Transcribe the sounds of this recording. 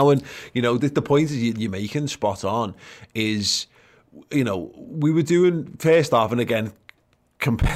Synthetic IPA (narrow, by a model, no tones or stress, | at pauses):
ʊə̃njənoʊðɪðəpʰɔ̃ɪ̃ntɪzjəjəmeɪkɪ̃ŋspɒtn̩ɪz̥ | jənoʊwiwədʉːɪ̃ŋfɛːstaˑfə̃nəɡɛ̃n | kʰə̃mpʰɛ